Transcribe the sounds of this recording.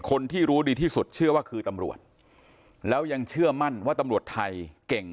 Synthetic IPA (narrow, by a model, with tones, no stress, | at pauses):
kʰo˧nt̪ʰiː˥˩ɾuː˦˥diː˧t̪ʰiː˥˩su˨˩t̪̚t͡ɕʰɯ˥˩ɐwaː˥˩kʰɯː˧t̪a˧mɾṵ˨˩ət̪̚ | lɛː˦˥wja˧ŋt͡ɕʰɯ˥˩ɐma˥˩nwaː˥˩t̪a˧mɾu˨˩ət̪ʰːa˧jke˨˩ŋ